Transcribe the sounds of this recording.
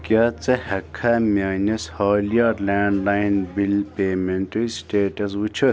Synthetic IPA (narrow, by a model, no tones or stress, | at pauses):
kʲat͡sɐhɐkʰːamaːnɐshɔːliɐɾlaːɳɖlajnbilpeːmeɳʈɐɾisʈeːʈɐs̬ut͡ʃʰu